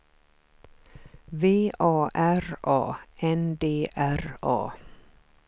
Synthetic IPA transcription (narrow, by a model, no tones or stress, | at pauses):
ʋeːʔɑːʔæɾʔɑ̰ːɛnd̪eːʔæɾɑ̰ː